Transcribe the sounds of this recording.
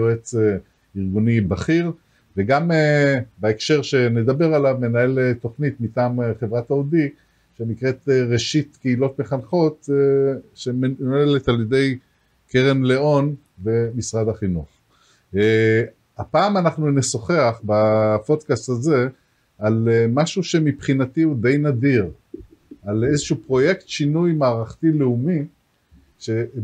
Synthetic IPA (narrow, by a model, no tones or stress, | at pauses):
oet͡se | iʁɡunibaχiʁ | veɡamebaekʃe̞ʁʃe̞ne̞d̪abe̞ʁalavme̞nae̞leto̞χnit̪mitaːmχe̞vʁataodik | ʃe̞nikʁe̞t̪eʁe̞ʃit̪keilo̞t̪meχanχo̞t̪ | ʃemeneletalje̞de̞j | ke̞ʁe̞mle̞o̞n | ve̞misʁad̪haχinuχ | apaːmanaχnunesoχeaχbapo̞t̪kast̪haze̞ | almaʃuʃe̞mipχinatiud̪e̞jnadiʁ | ale̞zeʃuupʁo̞je̞kt̪ʃinujmaːʁaχt̪ileumi | ʃe̞